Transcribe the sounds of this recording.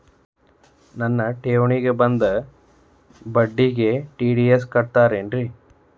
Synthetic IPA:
nɐnːɐʈeːʋɳiɡebɐnd̪ɐ | bɐɖːiɡeʈiːɖies̬kɐɽt̪aːɾeːnɾi

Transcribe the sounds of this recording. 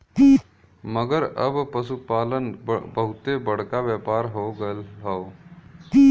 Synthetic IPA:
məɡəɾəbpəsupaːlənbəɦʊt̪ebəɽ̤kaʋjəːpaːɾɦoːɡəlɦoo

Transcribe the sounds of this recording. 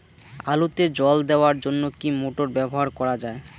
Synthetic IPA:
alot̪ed͡ʑɔld̪eoaɾd͡ʑonːokimoʈoɾbɛboɦaɾkɔɾad͡ʑae

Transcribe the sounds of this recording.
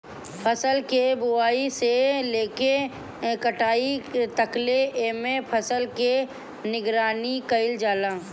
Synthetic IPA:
pʰəsəlkebʊaːiseleːke | kəʈaːit̪əkleeːmẽpʰəsəlke | nɪɡɾaːnikəɪld͡ʒaːlãː

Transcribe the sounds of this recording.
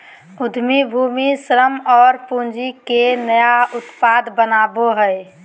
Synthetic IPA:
ʊd̪ʱmibʱuːmisɾəmɔːɾpund͡ʒikenəjaʊt̪paːd̪bənaːboɦəe

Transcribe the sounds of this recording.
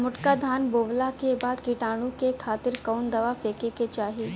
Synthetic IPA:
mʊʈkad̪ʱaːnboːʋlakebaːd̪kiʈaːɽ̃ũkekʰaːt̪ɪɾkaːʊnd̪ɐʋafeːkeket͡ʃaːɦi

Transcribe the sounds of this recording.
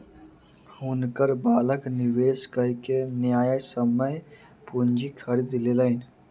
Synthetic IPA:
ʊnkəɾbaːləkniweːskəɦikenjaːjəsəməj | pund͡ʒikʰəɾid̪leləɪn

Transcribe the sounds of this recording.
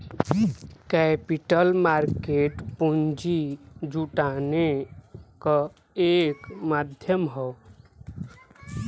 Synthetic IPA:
kɛpiʈəlmaɾkeʈpund͡ʒid͡ʒuʈane | kɔ | ekmad̪ʱjəmɦɔw

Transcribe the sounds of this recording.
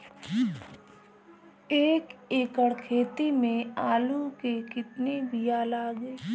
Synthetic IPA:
eːkeːkəɽkʰeːt̪imẽaːlukekɪt̪nebʱiaːlaːɡeː

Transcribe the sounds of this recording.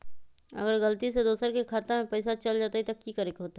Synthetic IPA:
ɐ̰ɡəɾɡəlt̪ised̪oːsəɾkekʰaːt̪amẽpɛɪsat͡ʃɐld͡ʒaːt̪aɦit̪ɐkikəɾekɦoːt̪a

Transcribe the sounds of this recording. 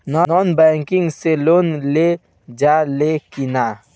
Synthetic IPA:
nɔnɔnbɛŋkiŋɡselonle | d͡ʒalekina

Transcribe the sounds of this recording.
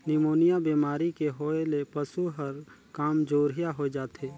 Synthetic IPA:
nɪmoːnijabiːmaːɾikeɦoːelepəsuɦəɾ | kaːmd͡ʒoːɾijaɦoed͡ʒaːt̪eː

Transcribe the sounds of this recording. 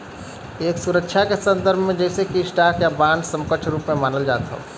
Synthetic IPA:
eːksuɾəkʃʰakesə̃nd̪əɾbʱmẽd͡ʒɛːsekisʈaːkjabãːɳɖsə̃mkəʈʰɾuːpmẽmaːnəld͡ʒaːt̪ɦo̰

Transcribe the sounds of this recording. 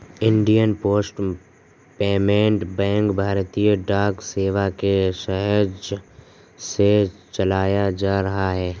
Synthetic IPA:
ɪ̃ɳɖijənpoːsʈ | peːmẽːɳʈbɛ̃ːŋkbʱaːɾt̪ijəɖaːkseːʋakeʃɛɦəɾd͡ʒ | set͡ʃɐlaːjad͡ʒaːɾɐɦaɦɛː

